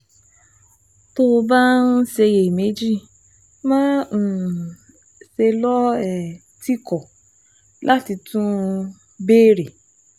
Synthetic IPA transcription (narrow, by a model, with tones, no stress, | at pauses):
to˦˧ba˦n̩˦se˧je˨me˨˦d͡ʒi˦˨ | mã˦˨ | se˧lɔ˦ɛ˨ | ti˦kɔ˨ | lʔa˦ti˧tũ˦ | beː˦˨ɾe˨